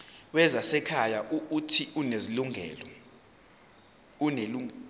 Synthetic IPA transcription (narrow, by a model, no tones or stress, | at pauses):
wɛzasɛkʰajaʔuːtʰiʔuneziluŋɛ̰lɔ | uneluŋ